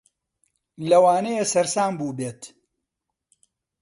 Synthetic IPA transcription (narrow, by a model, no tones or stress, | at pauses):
lɐwaːnɛjesɐɾsaːmbuːbeːt̪